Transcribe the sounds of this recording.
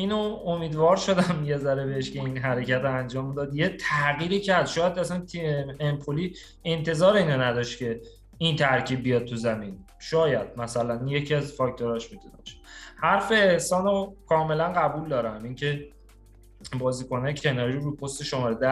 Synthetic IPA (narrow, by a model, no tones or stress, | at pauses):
iːnoomiːd̪vɒːɾʃo̞d̪æmjezæɾebeeʃce̞inɦæɾe̞cæt̪oænd͡ʒɒːmd̪ɒːd̪jet̪ʰæɣiːɾiːcʰæɾd̪̥ʃɒːjæd̪æsænt̪ʰiempʰoliː | ent̪ʰe̞zɒːɾeiːnonæd̪ɒʃt̪cʰe̞ | int̪ʰæɾcʰiːb̚ːijɒd̪̚t̪ʰuzæmin | ʃɒːjæd̪̥̚mæsælænje̞cʰiæzfɒct̪ʰoɾɒːʃmit̪ʰunæ̰bʃæ̥hæɾfeːhsɒːnokʰɒːme̞lænɢæbuːld̪ɒːɾæmiŋcʰe̞ | bɒːziːkʰo̞næjcʰe̞nɒːɾiɾoɾupʰost̪e̞ʃomɒːɾed̪æ